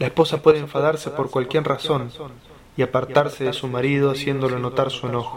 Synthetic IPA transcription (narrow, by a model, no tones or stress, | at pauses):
laehpo̞sapwe̞ðeeɱfaðaɾsepo̞ɾkwalkjeɾraso̞n | iapaɾt̪aɾseðesumaɾiðoasje̞nd̪o̞lono̞t̪aɾsue̞no̞xo̥